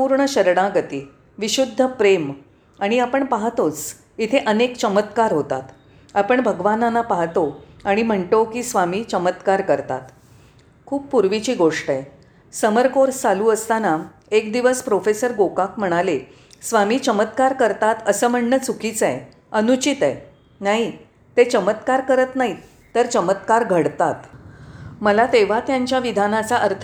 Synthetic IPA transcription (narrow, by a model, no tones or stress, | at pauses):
uːɾɳəɕəɾɽãɡət̪iː | ʋiɕud̪ʱːəpɾem | aɽ̃iapəɳpaɦt̪ot͡s | it̪ʰeʔənekt͡ɕəmət̪kaɾɦot̪at̪ | apəɳbʱəɡʋananapaɦt̪oaɽ̃im̤əɳt̪okiːsʋamiːt͡ɕəmət̪kaɾkəɾt̪a̰t̪ | kʰuːp̚puɾʋit͡ɕiːɡoʂʈəje | səməɾkoɾt͡saluːəst̪ana | ekd̪iʋəspɾofesəɾɡokakm̤əɽ̃ale | sʋamiːt͡ɕəmət̪kaɾkəɾt̪at̪əsəːm̤əɳːət͡sukit͡sɛ̰ | ənut͡ɕit̪ɛ | naɦi | t̪et͡ɕəmət̪kaɾkəɾət̪naɦi | t̪ːəɾt͡ɕəmət̪kaɾɡʱəɽt̪at̪ | məlat̪eʋ̤at̪jaɲt͡ɕjaʋid̪ʱanat͡saʔəɾt̪ʰ